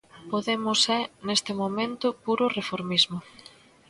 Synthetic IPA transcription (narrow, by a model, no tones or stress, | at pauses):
poðemʊsɛnest̪ɪmomẽnt̪ʊpuɾʊrefoɾmizmʊ